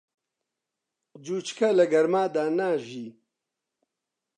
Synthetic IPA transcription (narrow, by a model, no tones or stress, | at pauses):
d͡ʒuːt͡ʃkʰɐlɐɡɐɾmaːd̪aːnaːʒiː